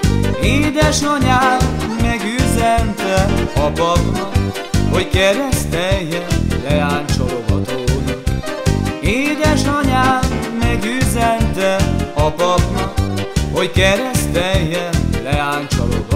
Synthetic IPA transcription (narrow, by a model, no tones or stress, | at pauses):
eːd̪ɛʃnɒɲaːmɛɡyːzɛnt̪ɛɒpɒpnɒk | hockɛɾɛst̪ɛjːɛnlɛaːɲt͡ʃoloɡɒ̰t̪oːd̪ɔ | eːd̪ɛʃnɒɲaːmɛɡyːzɛnt̪ɛɒpɒpnɒkho̞ckɛɾɛst̪ɛjːɛnlɛaːɲt͡ʃo̰lo̰ɡ